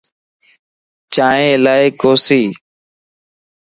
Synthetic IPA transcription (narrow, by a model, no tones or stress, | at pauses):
t͡ʃaːɦẽːlaːeːkoːsiː